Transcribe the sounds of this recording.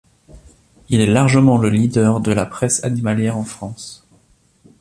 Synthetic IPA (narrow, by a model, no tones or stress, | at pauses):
ilɛlaʁʒəmɑ̃ləlid̪œʁd̪əlapχɛsa̰nimaljɛʁɑ̃fχɑ̃s